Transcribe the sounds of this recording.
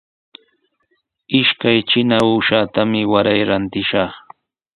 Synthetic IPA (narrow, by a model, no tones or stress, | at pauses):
ɪʃkajt͡ʃɪnauːʃaːt̪amɪwaɾajɾant̪ɪʃɑχ